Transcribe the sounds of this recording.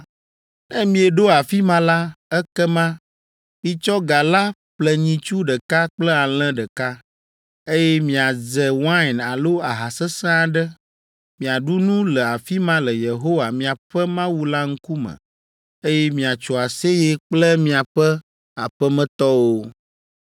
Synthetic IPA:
nɛ̃˦mĩ˨ɛ˨ɖo˦a˨fi˦mã˦la˦ɛ˦kɛ˦mã˦ | mĩ˨t͡ʃɔ˦ɡa˨la˦ɸlɛ˨ɲĩ˨t͡ʃu˦ɖə˨ka˦k͡plɛ˦a˨l̃ɛ̃˦ɖə˨ka˦ | e˦jɛ˦mĩ˨a˨zɛ˨wã˦˨na˨lo˦a˨ɦa˨sɛ˦sã˦a˨ɖɛ˦ | mĩ˨a˨ɖu˦nũ˦lɛ˨a˨fi˦mã˦lɛ˨je˨ɦo˦wa˨mĩ˨a˨ɸɛ˦mã˦wu˦la˦ŋ̩˦ku˦mɛ̰̃˨ | e˦jɛ˦mĩ˨a˨t͡ʃɔ˨a˨se˦jɛ˦k͡plɛ˦mĩ˦a˨ɸɛ˦ | a˨ɸɛ˦mɛ̃˦t̪ɔ˦wo˦

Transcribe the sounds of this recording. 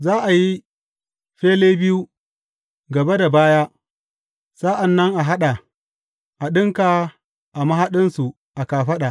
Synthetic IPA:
zaː˦ʔa˨ji˦ | ɸeː˦leː˦bɪ˦ju˦ | ɡɐ˨be˦da˨baː˦jaː˦ | sa˦ʔa˨nːɐ˦ŋʔa˨ɦa˦ɗa˨ | ʔa˨ɗɪ˦ŋka˨ | ʔa˨mɐ˦ɦa˦ɗɪ˦nsu˨ | ʔa˨kaː˨ɸɐ˦ɗa˨

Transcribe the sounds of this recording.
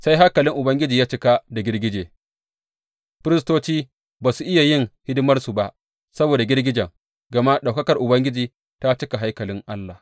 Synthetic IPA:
sa˦jɦa˦kɐ˨lɪ˦ŋʔʊ˨bɐ˦ŋɡʲɪ˦d͡ʒiː˨jaː˦t͡ʃɪ˦ka˦da˨ɡʲɪ˦rɡʲɪ˦d͡ʒe˨ | ɸɪ˦ɾɪ˦s̬toː˦t͡ʃiː˦ | baː˨su˨ʔɪ˦ja˨jɪ˦˨ŋhɪ˦dɪ˦mɐ˦rsu˨ba˦ʔ | sɐ˦boː˨da˨ɡʲɪ˦rɡʲɪ˦d͡ʒɐ˨ŋ | ɡɐ˨ma˦ɗa˨wkɐ˦kɐ˨rʔʊ˨bɐ˦ŋɡʲɪ˦d͡ʒiː˨ | ta˦t͡ʃɪ˦ka˨ɦa˦jkɐ˨lɪ˦ŋʔa˦lːa˨

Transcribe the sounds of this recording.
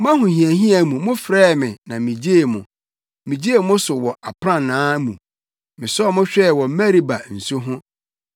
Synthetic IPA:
mã˦hʊ̃˨hĩ˨æ˨hĩ˦a˨˦mũ˨mʊ̃˦fɾɛː˦˨mɪ̃˨nã˨mĩ˨d͡ʑe˦e˨mʊ̃˨ | mĩ˨d͡ʑi˦e˨mʊ̃˦sʊ˨wɔ˨a˨pʰɾã˦nːãː˦mṵ̃˨ | mɪ̃˨sɔ˦mʊ̃˦ɕᶣɛ˦˨wɔ˨m̩˦mɛ˦ɾi˦ba˨n̩˨su˦ɦʊ̃˦

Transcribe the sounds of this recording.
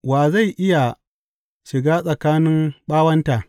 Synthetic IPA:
waː˨za˦˨jʔɪ˦ja˨ | ʃɪ˨ɡaː˦sʼɐ˨kaː˦nɪ˦mɓaː˦wɐ˦nta˨ʔ

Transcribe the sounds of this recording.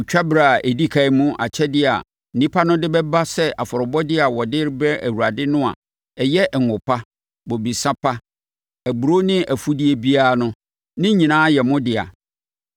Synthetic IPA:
ʊ˨t͡ɕᶣa˦bɾa˨a˨ʔe˨di˦kʰa˨ɪ˦mũ˦ʔa̰˨t͡ɕʰɛ˦dɪ˦a̰˨ | n̩˨nĩ˦pʰa˦nʊ̃˦dɪ˦bɛ˦ba˦sɛ˦a˨fɔ˨ɾʊ˨bɔ˦dɪ˦a˨wɔ˨dɪ˦ɾbɛ˦æ̰˨wu˨ɾa˨dɪ˦nʊ̃˦a̰˨ | ɛ˨jɛ˦˨ŋ̩˨ʊ˨pʰa˦ | bo˨bi˨sã˦pʰa˦ | æ˨bu˨ɾo˦nɪ̃˦ʔæ˨fu˦dɪ˦e˨bi˦a˦nʊ̃˦ | nɪ̃˦ɲĩ˨nãː˦jɛ˨mʊ̃˦dɪ˨a̰˨

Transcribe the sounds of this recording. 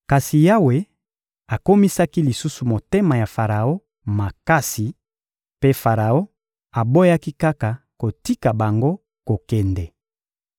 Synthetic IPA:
ka˨si˨ja˦we˨ | a˨ko˦mi˦sa˦ki˦li˨su˦su˨mo˨te˦ma˨ja˨fa˨ʁa˨o˦ | ma˨ka˦si˨ | pe˦fa˨ʁa˨o˦ | a˨bo˦ja˦ki˦ka˦ka˨ | ko˨ti˦ka˨ba˨ŋɡo˦ | ko˨kɛ˨ndɛ˨

